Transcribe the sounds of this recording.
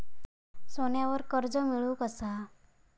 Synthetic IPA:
soɳjaʋəɾkəɾd͡zəmiɭukəsa

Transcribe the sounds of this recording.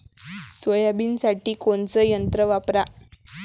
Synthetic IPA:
sʋəjabiːnsaʈiːkoɳt͡səjənt̪ɾəʋapɾa

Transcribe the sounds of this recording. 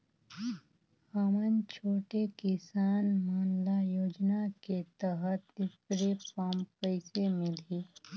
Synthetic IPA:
həmənt͡ʃʰoːʈekɪsaːnmaːnlajoːd͡ʒnaket̪əɦət̪d̪ɪsɾepaːmpəɪsemɪliː

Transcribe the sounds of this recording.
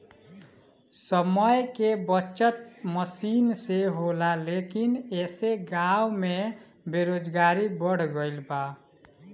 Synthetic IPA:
səməjkebəːt͡ʃət̪̚məsinseɦolalekineseɡawme | beɾod͡ʒɡaɾibəɽ̤ɡəlba

